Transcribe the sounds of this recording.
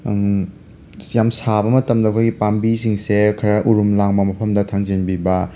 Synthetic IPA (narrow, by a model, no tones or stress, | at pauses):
jamsabɐmɐtɐmdɐkʰojɡipambisiŋsekʰɐɾɐʔuɾumlaŋmɐmɐpʰɐmdɐtʰaŋzinbibɐ